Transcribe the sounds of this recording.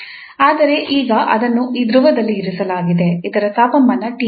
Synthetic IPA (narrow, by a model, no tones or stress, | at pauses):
aːd̪ɐɾe̞ʔiːɡɐʔɐ̰d̪ɐnːuʔiːd̪ɾuʋɐd̪ɐlːiːɾusɐlaːɡid̪e̞id̪ɐɾɐt̪aːpɐmbɐnːɐʈiː